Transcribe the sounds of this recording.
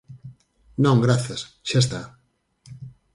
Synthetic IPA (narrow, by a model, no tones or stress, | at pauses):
nõŋɡɾaθjas | ʃaest̪a